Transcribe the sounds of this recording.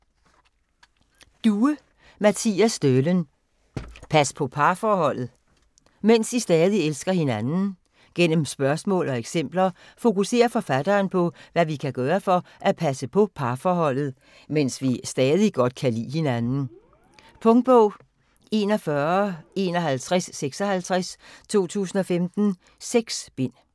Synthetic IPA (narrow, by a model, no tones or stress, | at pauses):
d̥uə | mæt͡sʰḭːæsd̥ølən | pʰæspʰɒ̽pʰɑ̈ːfɒːhɒ̽l̰ð̞̩ˠ | men̰sd̥isd̥ɛːð̞ˠielsɡ̥ɐhe̝nænn̩ | ɡ̥en̰m̩sb̥ɶɐsmɔ̰̽ːlɒ̽eɡ̥sem̰b̥lɐfo̝kuse̝̰ːɐfɒ̽fæd̥ɐːnpʰɒ̽ʋæʋikʰæɡ̥ɶːɐfɒ̽ʔæpʰæsəpʰɒ̽pʰɑ̈ːfɒːhɒ̽l̰ð̩ˠ | mensʋisd̥ɛːð̞ˠiɡ̥ɒ̽d̥kʰælḭːhe̝nænn̩ | pʰɔ̽ŋd̥̚b̥ɔʊ | e̝ːnɒfɶɐe̝̰ːnɒ̽ɦælt͡sʰʁasːeɡ̥sɒ̽hælt͡sʰʁast͡sʰo̝̰ːt͡sʰṵːsn̩ɒ̽femd̥n̩ | seɡ̥sb̥e̝n̰